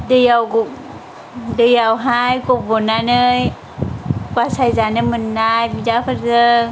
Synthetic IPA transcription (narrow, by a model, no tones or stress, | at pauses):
dɯjawɡ | dɯjawɦajkɔbɔnanɯj | kwasajzanɯmɯnːajbidapʰɯɾzɯ